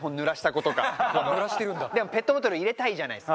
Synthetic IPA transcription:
ɦõ̞nːɯ̟ɾaɕi̥t̪ako̞t̪o̞ka̰anɯɾaɕi̥t̪eɾɯ̟̃nd̪ad̪e̞mo̞pe̞t̪ːobot̪oɾɯiɾe̞t̪aiʑana̰is

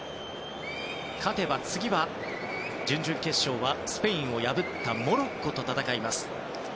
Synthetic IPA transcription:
kʰat̪e̞bat͡sɨɡʲiβa | d͡ʑɨ̃ɲd͡ʑɨ̃ŋke̞ɕːo̞ːβasɨ̥pe̞ĩɰ̃o̞jabɯt̪ːamo̞ɾokːo̞t̪o̞t̪at̪akaimasɨ̥

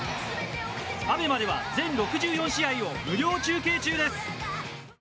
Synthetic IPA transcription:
abe̞mad̪e̞βad͡zẽ̞nɾo̞kɯ̟ʑɨːjõ̞ɰ̃ɕiaio̞mɯ̟ɾʲo̞ːt͡ɕɨːke̞ːt͡ɕɨːd̪e̞sɨ̥

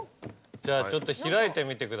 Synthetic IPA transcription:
d͡ʑaːt͡ɕo̞t̪ːo̞çiɾait̪e̞mʲit̪e̞kɯ̟d̪

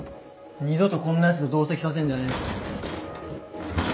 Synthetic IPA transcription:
ɲ̟izot̪okõnːẽs̬ɨd̪od̪o̞ːsekʲi̥sas̬ẽndane

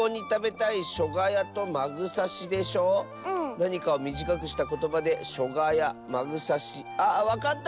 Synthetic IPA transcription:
oːɲ̟it̪abe̞t̪aiɕo̞ɡajat̪o̞maɡɯ̟saɕid̪e̞ɕo̞ː | naɲ̟ikao̞mʲiʑikakɯ̟ɕi̥t̪ako̞t̪o̞bad̪e̞ɕo̞ɡajamaɡɯ̟saɕi | aβakat̪ː

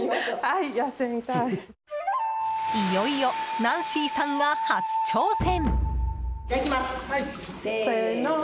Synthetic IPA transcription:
maaijat̪ːemit̪ai | ijoijonãɰ̃ɕiːsãŋɡahat͡sɨ̥t͡ɕoːsẽ̞m | d͡ʑakʲimasa | soeno

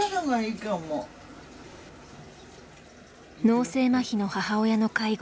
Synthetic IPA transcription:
noɡaikamo | no̞ːse̞ːmaçino̞hahao̞jano̞kaiɡ

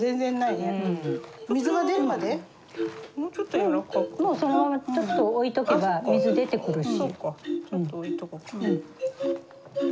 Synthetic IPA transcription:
zẽ̞nd͡zẽ̞nːaine | mʲizɨɡad̪e̞ɾɯ̟mad̪e | t͡ɕot̪ːojoɾakːomo̞ːso̞not͡ɕo̞t̪ːo̞oit̪o̞ke̞bamʲizɨd̪e̞t̪e̞kɯ̟ɾɯ̟ɕisokːaõɴooit̪okɯkḁɯ̟̃ɴ

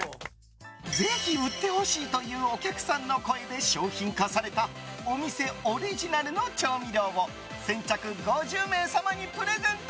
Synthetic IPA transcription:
d͡ze̞çiɯ̟t̪ːe̞ho̞ɕiːt̪o̞jɯ̟ːo̞kʲakɯ̟̥sãnːo̞ko̞e̞d̪e̞ɕo̞ːçĩŋkasaɾe̞t̪ao̞mʲise̞oɾʲiʑinaɾɯ̟no̞t͡ɕo̞ːmʲiɾʲo̞ːmo̞ | sẽ̞ɲ̟t͡ɕakɯ̟ɡo̞ʑɨːmẽ̞ːsamaɲ̟ipɯ̟ɾe̞zẽ̞nt̪

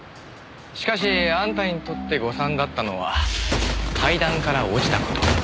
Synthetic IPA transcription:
ɕi̥kaɕ̬iãnt̪aɲit̪o̞t̪ːe̞ɡo̞sãnd̪at̪ːano̞βa̰ | kʰaid̪ãŋkaɾao̞d͡ʑi̥t̪ako̞̥t̪o̞

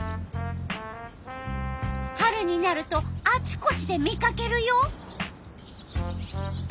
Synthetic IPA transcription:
haɾɯ̟ɲ̟inaɾɯ̟t̪o̞at͡ɕi̥ko̞t͡ɕid̪e̞mʲikake̞ɾɯ̟joː

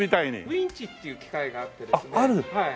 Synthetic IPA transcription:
mit̪aiɲḭĩɲt͡ɕit̪ːejɯ̟ːkʲi̥kaiɡaːt̪ːed̪eaaɾɯhai

